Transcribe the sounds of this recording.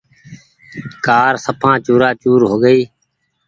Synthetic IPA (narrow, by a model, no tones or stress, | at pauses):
kaːɾsəpʰãːt͡ʃuːɾaːt͡ʃuːɾɦoːɡəiː